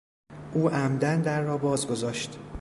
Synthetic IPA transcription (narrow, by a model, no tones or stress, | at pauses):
ʔuːʔæmd̪ænd̪æɾːɒːbɒːzɡo̞zɒːʃt̪